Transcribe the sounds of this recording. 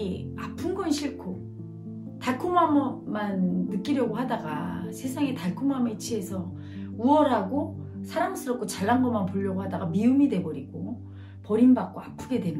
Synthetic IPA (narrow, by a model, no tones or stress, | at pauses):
iapʰɯnɡʌnɕʰiɭkʰo | taɭkʰomammːanːɯk͈iɾjʌɡoɦadaɡa̰sʰe̞sʰaŋetaɭkʰomamet͡ɕʰie̞sʰʌ | uʌɾɦaɡo | sʰaɾamsʰɯɾʌk͈ot͡ɕaɭːanɡʌmanpoʎːʌɡohadaɡamiumide̞bʌɾiɡ̥o | pʌɾinbak̚k͈oapʰuɡe̞dwe̞m